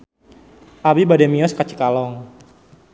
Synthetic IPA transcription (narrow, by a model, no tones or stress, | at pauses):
ʔabibadɛmiɔskat͡ʃə̥kalɔŋ